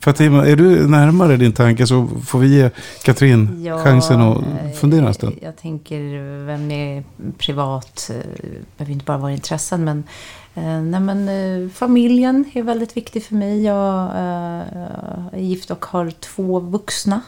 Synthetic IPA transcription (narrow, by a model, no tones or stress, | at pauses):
fœɾat̪ʰːimaʔæɖɵnæɾmaɾəɖɪnt̪ʰaŋkəsɔfoːɾvɪjeːkʰat̪ʰɾinjːɧaŋsənɔ̰fɵnd̪eːɾasd̪ɛ̰jɑ̰ɡt̪ʰɛŋkəɾvɛmːɛpʰɾɪvɑːt̪ | b̥ɛhøvəjɪnt̪əbɑːɾavɑːɾaɪnt̪ʰɾɛsːənmɛn | nɛmɛnfamɪljənæɾvɛld̪ɪt̪vɪkt̪ɪfœɾmɛjːɑːɡ | jɪft̪ɔkhaɾt̪ʰv̥oːvɵksna